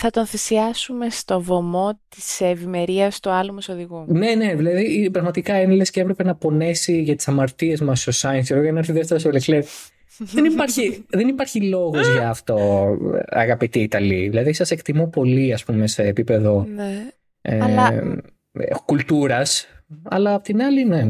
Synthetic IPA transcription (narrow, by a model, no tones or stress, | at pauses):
θɐt̪o̞nθisiɐsume̞st̪o̞vomot̪isevime̞ɾiɐst̪uɐlumɐsoðiɣune̞ne̞ðilɐðipɾɐɣmɐt̪ikɐenilesceepɾe̞penɐpo̞ne̞siʝɐt̪i̥sɐmɐɾt̪ie̞zmɐsst̪osɐɐntsoɾoinɐɾθiðeft̪eɾosoleklev | ðenipɐɾçiðenipɐɾçilo̞ɣo̞zʝɐːft̪o̞ | ɐ̰ɣɐpit̪iːt̪ɐliðilɐðisɐse̞kt̪imopo̞liɐspume̞seːpipe̞ðo̞ne | e | kult̪uɾɐsɐ̰lɐːpot̪inɐline̞